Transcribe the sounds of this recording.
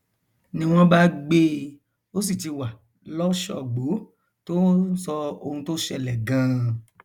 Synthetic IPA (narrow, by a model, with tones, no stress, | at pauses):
nĩ˦w̃ɔ̃˦ba˦ɡ͡be˦ | o˦s̬i˦˨ti˨˧wa˨ | lɔ˦ʃɔ̰˨ɡ͡bo˨˦ | to˦sɔ˧o˧hũ˧to˦ʃɛ˧˨lɛ˨ɡã˨˦